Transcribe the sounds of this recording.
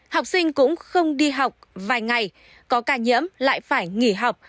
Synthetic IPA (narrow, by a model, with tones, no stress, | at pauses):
ha˨˩wk͡p̚sï˧ŋ̟kʊ̰˧˥ŋ͡mxə˧wŋ͡mɗi˧ɦa˨˩wk͡p̚vaː˨˩jŋa˨˩j | kɔ˨˦kaː˧˩ɲə̰˧˥əmla̰ː˧˨jfaː˧˩jŋi˧˩ɦa˨˩wk͡p̚